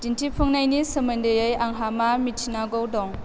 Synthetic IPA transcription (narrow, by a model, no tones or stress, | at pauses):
tintʰipʰɯŋnajnisɯmɯndejɯjaŋɦamamitʰinaɡɔwdɔŋ